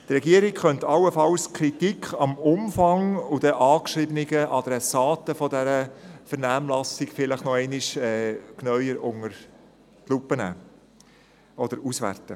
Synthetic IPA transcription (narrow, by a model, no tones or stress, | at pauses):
t̪ɾɛɡiəɾɪkχœntɑlːəfɑlskʰɾitikʰɑmʊmfɑŋʊd̥əʔɑːkʃɾɪbənɪɡəʔɑd̥ɾɛsɑːtəfɔdɛɾəfəɾnæːmlɑsɪɡfɪləχnɔɛɪnɪʃɛːknœʏəɾʊŋəɾ | tlupːənæ̰ː | ɔd̥əɾusʋæ̰rtə